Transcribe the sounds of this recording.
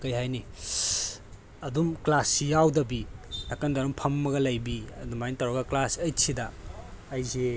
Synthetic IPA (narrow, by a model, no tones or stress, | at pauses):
kɐjɦajni | ɐdumklasːijawdɐbinakɐndɐɾumpʰɐmːɐɡɐlɐjbiɐdumajntawɾɐɡɐklasɐjsʰidɐː | jze